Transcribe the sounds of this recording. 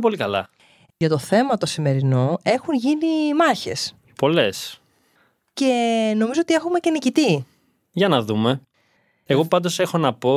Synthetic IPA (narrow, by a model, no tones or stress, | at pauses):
p̬o̞likɐlɐ̰ | ʝɐt̪o̞θe̞mɐt̪o̞sime̞ɾinoe̞xunʝinimɐçe̞s | po̞le̞s | ce̞no̞mizoot̪ie̞xume̞ce̞nicit̪i | ʝɐnɐðume̞ | eɣo̞pɐnd̪o̞se̞xo̞nɐpo̞